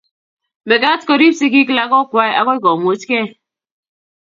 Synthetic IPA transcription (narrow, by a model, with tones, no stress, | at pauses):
be˨ka˦tko˦˨ɾi˦si˦ki˦k̬la˦kɔ˦kʷwa˦e˦ʔa̰˦kɔ˦i˦kɔ˨m˨o˨˦t͡ʃke˦